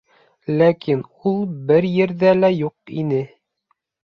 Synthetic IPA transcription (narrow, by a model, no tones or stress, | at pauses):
lækinulˠbɘɾjɘ̆ɾðælæjuqinɘ